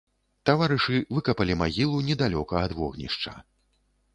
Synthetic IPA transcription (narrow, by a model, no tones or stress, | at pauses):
t̪avaɾɨʂɨvɨkɐpɐlʲimaɣʲilˠunʲɛd̪alʲɔkɐːd̪vɔɣnʲḭʂt͡ʂɐ̰